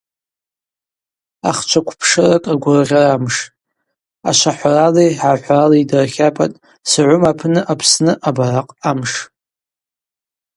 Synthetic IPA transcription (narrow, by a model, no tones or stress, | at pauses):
a̰χt͡ʃʷʰakʷʰpʰʂɨrakʼaɡʷʊrrʲaramʂʼ | a̰ʃʷaħʷaraliħaħʷralidrχʲapʼa̰tʼ | sɨʕʷʊmapʰnɨʔapʰsnɨʔabaraqʼamʂ